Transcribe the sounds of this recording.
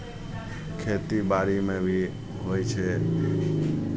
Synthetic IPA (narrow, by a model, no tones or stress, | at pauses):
kʰet̪ibaɾimẽbʱi | ɦojt͡ʃʰe